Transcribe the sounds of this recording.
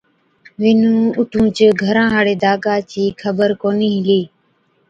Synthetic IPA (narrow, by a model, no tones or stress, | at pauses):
ʋɪnũːʊʈʰũːt͡ʃəɡʱəɾãːɦaːɽeːd̪aːkaːt͡ʃiːkʰəbəɾkoːniːɦɪliː